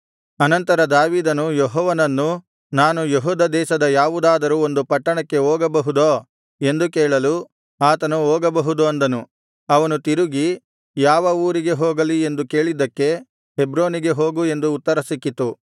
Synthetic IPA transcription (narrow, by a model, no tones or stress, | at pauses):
ɐnɐnt̪ɐɾɐd̪aːʋiːd̪ɐnujɔɦɔːʋɐnɐnːu | naːnujeɦuːd̪ɐd̪ɛːʃɐd̪ɐjaːʋud̪aːd̪ɐɾuo̞nd̪upɐʈːɐɳɐkːe̞oːɡɐbɐɦud̪oː | e̞nd̪ukeːɭɐlu | aːt̪ɐnuoːɡɐbɐɦud̪uɐnd̪ɐnu | ɐʋɐnut̪iɾuɡi | jaːʋɐuːɾiɡe̞ɦoːɡɐlie̞nd̪uke̞ːɭid̪ɐkːe̞ | ɦebɾoːniɡe̞ɦo̞ːɡue̞nd̪uːt̪ːɐɾɐsikːit̪u